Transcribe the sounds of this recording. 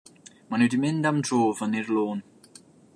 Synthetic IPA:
manuwdimɪndamdroːvəniɹloːn

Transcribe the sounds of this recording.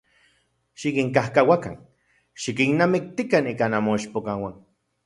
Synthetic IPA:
ʃikiŋkahkawaka̰n | ʃikinamik̚t̪ikanikanamoiʃpokawan

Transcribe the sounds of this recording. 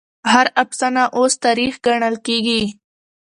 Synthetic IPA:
haɾapsanaʔost̪aɾixɡaɳəlkeɡi

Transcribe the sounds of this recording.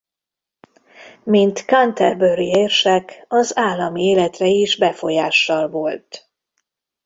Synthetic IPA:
mint̪kɒnt̪ɛrbøɾieːrʃɛkɒzaːlːɒmieːlɛt̪rɛiʒbɛfo̞jaːʃːɒlvo̞lt̪

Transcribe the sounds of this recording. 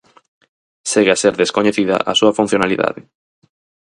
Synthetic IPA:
seɣeaseɾðeskoɲeθiðɐ̰ʔasuɐfun̟θjonaliða̰ðɪ

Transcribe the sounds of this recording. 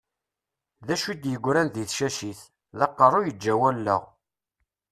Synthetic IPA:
ðæʃid̪jəɡʷːɾænðiθʃæʃiθ | ðɑqːərˤʊjəd͡ʒːæwælːə̰ʁ

